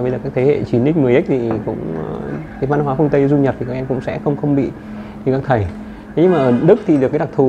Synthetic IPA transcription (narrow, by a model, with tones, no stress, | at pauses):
ə˧jzəː˨˩kaː˦˥k̚t̪ʰe˨˦hḛ˧˨t͡ɕi˨˦nɗi˦˥k̚mɨ˨˩əjʔi˦˥k̚t̪ʰi˨˩kʊ̰˧˥ŋ͡m | va˧n˧waː˨˦fɨ˧əŋt̪ə˧jzu˧ɲə˨˩p̚t̪i˨˩kaː˨˧˥ʔɛ˧mkʊ̰˧˥ŋ͡msɛ̰˧˥xə˧wŋ͡mxə˧wŋ͡mɓḭ˧˨ | ɨ˧˨˩kaː˧˥k̚t̪ʰə˧˩j | ɲ˧ŋmaː˨˩ʔəː˧˩ɗɨ˦˥k̚t̪ʰi˨˩ɨ˨˩kaː˨˦ɗa˨˩k̚t̪ʰu˨˩